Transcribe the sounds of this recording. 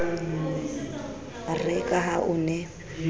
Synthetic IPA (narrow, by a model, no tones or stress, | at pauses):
rɛkʼaɦaʔʊnɛ